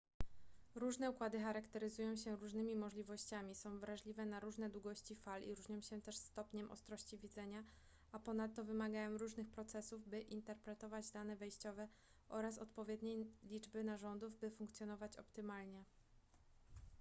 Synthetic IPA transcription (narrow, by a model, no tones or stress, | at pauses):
ɾuʐnɛukwad̪ɘxaɾakt̪ɛɾɘzujɔ̃w̃ɕɛɾuʐnɘmʲimɔʐlʲivɔɕt͡ɕamʲisɔ̃w̃vɾaʐlʲivɛnaɾuʐnɛd̪wuɡɔɕt͡ɕifalḭɾuʐɲɔ̃w̃ɕɛt̪ɛʂst̪ɔpɲɛmʔɔ̰st̪ɾɔɕt͡ɕivʲid̪zɛɲa | apɔnat̪ːɔvɘmaɡajɔ̃w̃ɾuʐnɘxpɾɔt̪sɛsuvbɘʔint̪ɛɾpɾɛt̪ɔvad͡ʑd̪anɛvɛjɕt͡ɕɔvɛ | ʔɔɾas̬ɔt̪pɔvʲjɛd̪ɲejlʲid͡ʐbɘnaʐɔnd̪uvbɘfuŋkt̪sʲjɔn̪ɔvat͡ɕɔ̰pt̪ɘmalɲɛ